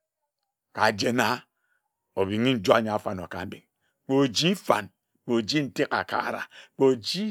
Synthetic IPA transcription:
ka˨d͡ʒe˦na˦ | o˨bi˨ŋi˦n̩˦d͡ʒo˦a˦˨ɲa˨a˨fa˨no˨ka˨m̩˦be˨ŋ | k͡po˨d͡ʒi˦fa̰˨n | k͡po˨d͡ʒi˦n̩˦te˦ka̰˨ka̰˦˨ɾa̰˨k͡po˨d͡ʒi˦

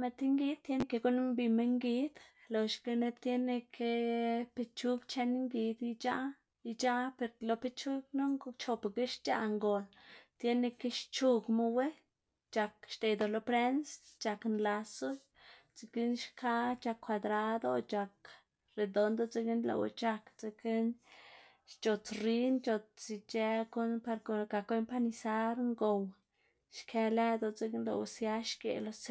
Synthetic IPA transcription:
me˧t̪i˦ŋɡi˦d̪̚t̪je˦ne˧ke˧ɡu˦n˦mbi˧me˦ŋɡi˦d̪lo˨ʃke˧ne˦t̪je˦ne˧kʰe˧pe˧t͡ʃu˦ɡt͡ʃe˦n˦ŋɡi˧d̪i˧˦t͡ʃa˦ | i˧t͡ʃa˦pe˧ɾlo˧pe˧t͡ʃu˦ɡno˦ŋɡt͡ʃo˧pe˨ɡe˦ʃt͡ʃa˧ʔŋɡo˨lt̪je˦ne˧ke˦ʃt͡ʃu˧ɡmo˦we˦ | t͡ʃa˨˧kʃt̪e˨d̪o˨lo˧pɾe˦nst͡ʃa˧knla˧so˦ | t͡si˧ki˦nʃkʰa˦t͡ʃa˧kʰːʷa˧d̪ɾa˧d̪o˦t͡ʃa˨k | ɾe˨d̪o˨nd̪o˦t͡se˧ɡi˦nlo̰˨w̰t͡ʃa˧kt͡se˧ki˦n | ʃt͡ʃo˨t͡sɾi˦nt͡ʃo˧t͡s̚t͡si˧t͡ʃe˧ko˦npa˧ɾkka˨ko˦jmpa˦ni˧sa˦ɾŋɡo˨w | ʃkʰe˧lɛ˦d̪o˨t͡se˧ɡnlo̰˧˨wsja˦ʃkḛ˨lo˦s

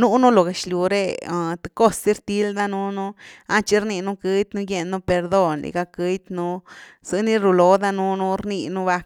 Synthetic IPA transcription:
nu˦nu˦lo˨ɡe˨t͡ʃlju˨ɾḛ˧˨t̪ɨ̥˧ko˦ssi˦ɾt̪i˦ld̪a˦nu˦nu˦a˦t͡ʃi˧ɾni˧nu˦kɨ˧˦jt̪nu˦je˧nːu˦pe˧ɾd̪o˦˧nlḭ˨ɡa˧kɨ˧˦jt̪nu˦z̥ɨ˧ni˦ɾu˧lo˧d̪a˦˧nu˦nu˦ɾni˧nu˦ba˧k

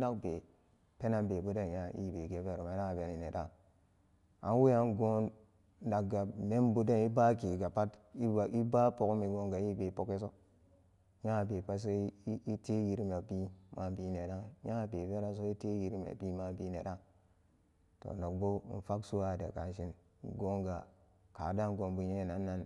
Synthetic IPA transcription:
na˦kbe˨ | pe˦na˦mbe˨bu˦de˦n˨ja˦˨ḭ˦˨be˨ɡe˦be˦˨ɾo˨ma˨˦na˦˨be˨ni˨ne˨da˦˨ | a̰˨n˦wi˦a˦nɡo˦n | na˨kɡa˨me˦mbu˦de˦ni˦ba˦ki˨ɡa˨pa˦ti˦˨i˦ba˦po˨kmi˨ɡo˦ŋɡa˨ji˦be˨po˦ke˦s̬o˦ | ja˦˨be˨pa˦s̬o˦i˦te˦ji˨ɾm˨e˨bi˦ma˨˦bi˦ne˨da˦ja˦˨be˨be˦ɾa˦s̬o˦i˦te˦ji˨ɾmḛ˨bi˦ma˦bi˦ne˨da˦ | to̰˨no˨k̚bo˦n̩˨fa˦ksu˦a˨dḛ˨ka˨n˦ʃi˦n˨ | ɡo˦ŋɡa̰˨ | ka˨da˦ŋɡo˨nbu˨ɲe˦˨na˨nːa˦n

